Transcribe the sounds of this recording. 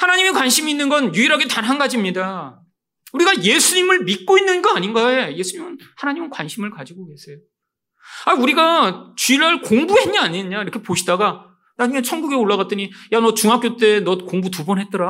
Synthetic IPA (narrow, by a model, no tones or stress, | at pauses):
hanaɲimikwanɕʰimiinːɯnɡʌnjuiɾaɡe̞tanɦanɡad͡ʑimɲida | uɾiɡaje̞sʰuɲimɯɭmit̚k͈oinːɯnɡʌaɲinɡae̞je̞sʰuɲimɯnhanaɲimɯnkwanɕʰimɯɭkad͡ʑiɡoke̞sʰe̞jo | auɾiɡat͡ɕyɾʌɭkoŋbuɦe̞nɲiaɲeɲaiɾʌkʰe̞poɕʰidaɡa | nad͡ʑuŋet͡ɕʰʌŋɡuɡeoɭːaɣat͈ʌɲijanʌt͡ɕuŋɦak͈jot͈e̞nʌkoŋbut̬ubʌnɦet͈ʌɾa